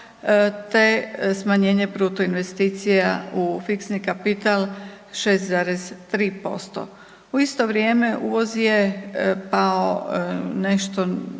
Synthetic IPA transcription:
t̪esmaɲeːɲe̞bɾuːt̪oinʋe̞st̪iːt̪sijaufiksnikapit̪al | ʃest̪zaɾest̪ɾiːpo̞̰st̪o̰ | uist̪o̞ʋɾje̞ːme̞ʔuːʋo̞zjepaoneʃt̪o

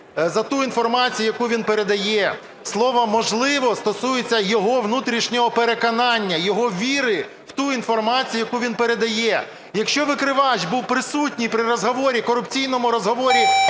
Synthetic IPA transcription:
zɐt̪uinfɔrmɑt͡sʲijʊjɐkuʋʲinpeɾe̞d̪ɐjɛ | slˠɔʋɐmɔʒlˠɪʋɔst̪ɔsujet͡sʲːɐjɔɦɔʋnut̪ɾʲiʃnʲɔɦɔpeɾekɔnɑnʲːɐjɔɦɔʋʲiɾɪ | w̥t̪uin̪fɔrmɑt͡sʲijʊjɐkuʋʲinpeɾe̞d̪ɐjɛ | jɐkʃt͡ʃɔʋɪkɾɪʋɑʃbuwpɾɪsutʲnʲipɾɪɾɔzɦɔʋɔɾʲikɔɾʊpt͡sʲijnɔmʊɾɔzɦɔʋɔɾʲi

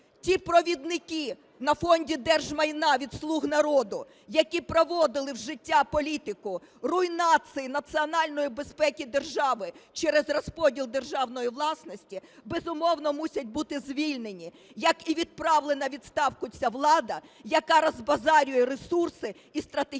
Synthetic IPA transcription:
tʲipɾɔʋʲid̪nɪkʲi | nɐfɔnʲdʲid̪ɛrʒmɐjnɑʋʲid̪slˠuɦnɐɾɔd̪ʊ | jɐkʲipɾɔʋɔd̪ɪlˠɪwʒɪtʲːapɔlʲit̪ɪkʊ | rʊinɑt̪sɨjinɐt̪siɔnɑlʲnɔjibespɛkʲid̪e̞rʒɑʋɪt͡ʃɛɾɛzrɔspɔdʲilˠd̪e̞rʒɑwnɔjiʋlˠɑsnɔsʲtʲibezʊmɔwnɔmusʲɐt̚ʲbut̪ɪzʲʋʲilʲnenʲi | jɐkiʋʲid̪̚pɾɑwlˠenɐʋʲid̪st̪ɑwkʊt͡sʲaʋlˠɑd̪ɐjɐkɑɾɐzbɐzɑɾʲʊjɛɾesursɪ | ist̪ɾɐt̪e

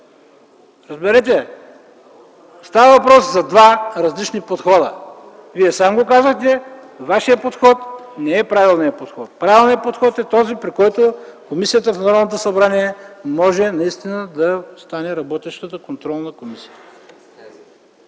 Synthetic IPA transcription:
ɾɐzbɛɾɛt̪̬ɛ | st̪avəvɐpɾɔszɐd̪vaɾɐzlit͡ʃnipot̪xɔd̪ə | viɛsamɡokazəxt̪ɛ | vaʃijəpot̪xɔt̪nɛɛpɾavilˠnijəpot̪xɔt̪̚pɾavilˠnijəpot̪xɔt̪ɛt̪ɔzipɾikɔjt̪okomisijət̪əfnɔɾnot̪osɐbɾaniɛmɔʒɛnɐist̪inəd̪ɐst̪anɛɾɐbɔt̪ɛʃt̪ət̪əkont̪ɾɔlˠnɐkomisi̥jt̪

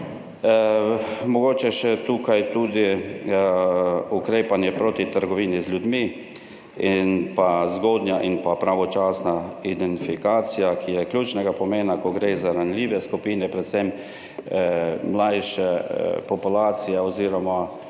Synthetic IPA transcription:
mɔɡoːt͡ʃɛʃɛt̪uːkajt̪ud̪i | ukɾeːpanjɛpɾoːt̪it̪əɾɡɔʋiːnizlʲud̪mi | inpazɡoːd̪njaʔinpapɾaʋɔt͡ʃaːsnaid̪ɛnt̪ifikaːt̪sijakʰijɛkljuːt͡ʃnɛɡapɔmeːnakɔɡɾeːzaɾanlʲiːʋɛskupiːnɛpɾɛt̪sɛm | mlajʃɛpɔpulaːt̪sijɛɔziːɾɔma

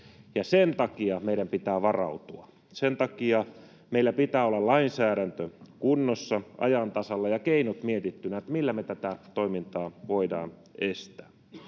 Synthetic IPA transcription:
jɑsent̪ɑkiɑmeijɾæmpit̪æːʋɑrɑ̰ut̪uɑ | sent̪ɑkiɑ | meilːæpit̪æːolːɑllɑinsæːɾænt̪økunːosːɑʔɑ̰jɑnt̪ɑsɑlːɑjɑkeinot̪miet̪it̪ːynæet̪milːæmet̪æt̪æt̪oimint̪ɑːʋoidɑ̰ːn | est̪æː

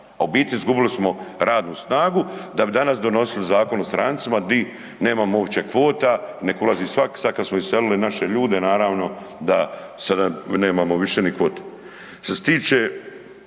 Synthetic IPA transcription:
aobiːt̪lizɡubilismo̞ɾaːd̪nuːsnaːɡud̪abid̪anasd̪o̞no̞silizaːko̞nost̪ɾa̰nt̪simad̪i | ne̞ːmamoʋt͡ɕekʋo̞ːt̪ane̞kulaziːsʋaksakasmoiselilinaʃeʎuːd̪enaːɾaːʋno̞ | d̪asad̪ane̞ːmamoʋiʃenikʋo̞ːt̪e̥ | ʃest̪iːt͡ʃe

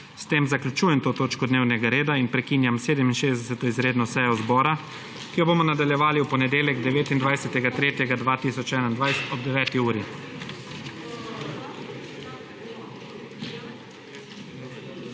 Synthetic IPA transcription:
st̪eːmzaklʲut͡ʃuːjɛmt̪oːt̪oːt͡ʃkɔd̪neːwnɛɡaɾeːd̪ainpɾɛkinjamseːd̪ɛminʃeːzd̪ɛsɛt̪ɔizɾeːd̪nɔsɛjɔzbɔːɾa | kijɔbomɔnad̪aljɛʋaːliwpɔnɛd̪eːljɛɡd̪ɛʋeːt̪ind̪ʋajsɛt̪ɛɡat̪ɾeːt̪jɛɡad̪ʋaːt̪isɔt͡ʃɛːnaind̪ʋajst̪ɔb̚d̪ɛʋɛːt̪iuːɾi

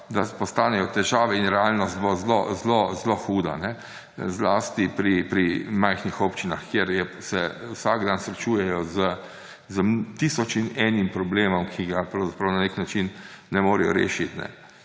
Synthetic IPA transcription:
d̪apɔst̪aːnɛjɔt̪ɛʒaːʋɛinɾɛalnɔst̪̚bozlozlozloxuːd̪a̰nɛ | zlast̪ipɾipɾimajxnixɔpt͡ʃinaxkjeɾjɛsɛwsaɡd̪ansɾɛt͡ʃuːjɛjɔzə | zəmt̪isɔt͡ʃinɛːnimpɾɔbleːmɔmkʰiɡapɾawzapɾawnaneknat͡ʃinnɛmoːɾɛjɔ̰ɾḛːʃit̪nɛ̰

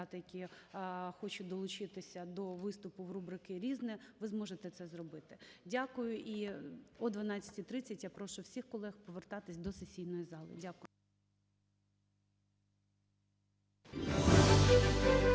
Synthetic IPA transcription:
t̪ɐjɐkʲi | xɔt͡ʃʊd̪ɔlˠʊt͡ʃɪt̪ɪsʲɐd̪ɔʋɪst̪ʊpʊwrubɾɪkɪɾʲiznɛʋɪzmɔʒet̪ɛt̪sɛzrɔbɪt̪ɪ̥dʲakʊjʊʔiɔd̪ʋɐnɑt͡sʲːɐ̥tʲit̪ɾɪt͡sʲːɐtʲjapɾɔʃʊwsʲixkɔlˠɛxpɔʋert̪ɑt̪ɪsʲd̪ɔsesʲijnɔjizɑlˠɪ̰dʲakʊjʊ

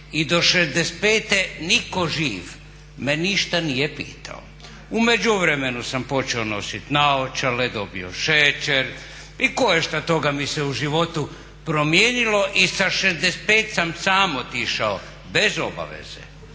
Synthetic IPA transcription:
id̪o̞ʃezd̪est̪̚peːt̪enikoʒiːʋ | meniʃt̪anijepḭːt̪ʰa̰o̰ | umed͡ʒuʋɾemenusampo̞t͡ʃeono̞sit̪naot͡ʃaled̪o̞bio̰ʃet͡ʃeɾ | iko̞jeʃt̪at̪o̞ɡamiseuʒiʋo̞t̪u | pɾomjeːnilo̞ʔisaʃezd̪est̪̚peːt̪samsaːmot̪iʃao | bezo̞ba̰ʋḛz̥ḛ

